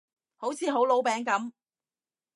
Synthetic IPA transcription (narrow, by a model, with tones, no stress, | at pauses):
ho˨˥wt͡sʰiː˨˧ɦo˨˥wlo˨˥wpɛː˨˥ŋkɐ˨˥m